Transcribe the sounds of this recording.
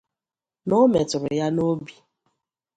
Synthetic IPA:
nʊ˦me˨tʊ˨ɾʊ̰˨ja˦no˦bi˨

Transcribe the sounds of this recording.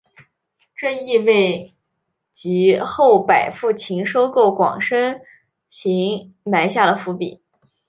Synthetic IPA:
ʈ͡ʂɤ˥˧i˥˧we˥˩ɪ | t͡ɕi˧˥xo˥˩ʊpa˨˩ɪfu˥˩t͡ɕʰi˧˥ŋʂo˥ʊko˥˩ʊkwɑ̰˨˩ŋʂə˥n | ɕi˧˥ŋ | ma˧˥ɪɕja˥˩lə˩fu˧˥pḭ˨˩˦

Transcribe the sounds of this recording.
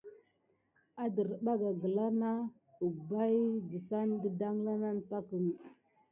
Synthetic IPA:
a˦də˨ɾɓa˦ɡa˨ɡə˨la˦ɾna˦ | u˨ɡba˦jdi˨sa˦ndə˦da˦ŋla˦na˦nta˦kə˨n˨

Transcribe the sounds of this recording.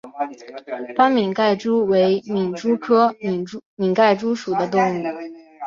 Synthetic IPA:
pa˥nmi˨˩nka˥˩ɪʈ͡ʂu˥we˧˥ɪmi˨˩nʈ͡ʂu˥kʰɤ˥˩ | mi˨˩ka˥˩ɪʈ͡ʂu˥ʂu˨˩d̪ə˦t̪̬ʊ˥˧ŋu˥˩

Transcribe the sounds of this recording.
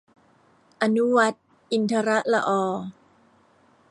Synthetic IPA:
ʔa˧nu˦wa˦˥t̪̚ | ʔi˧nt̪ʰa˧ɾa˦˥ʔla˧ʔɔː˧˩

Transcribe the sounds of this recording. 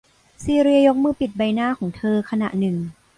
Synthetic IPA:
siː˧ɾi˧ɐjo˦˥k̚mɯː˥˩pi˨˩t̪̚ba˧jnaː˥˩kʰɔː˩˦ŋt̪ʰɤː˧kʰa˧na̰˨˩ʔnɯ˨˩ŋ

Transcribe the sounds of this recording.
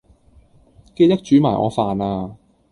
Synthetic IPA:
ke˥˧jt̪ɐ˥k̚t͡ʃyː˨˥maː˨˩ʔɔ̰ː˨˧faː˨naː˧

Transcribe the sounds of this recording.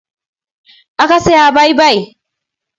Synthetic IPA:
ʔa˦ka˨se˦aː˨ba˦jba˦˨j

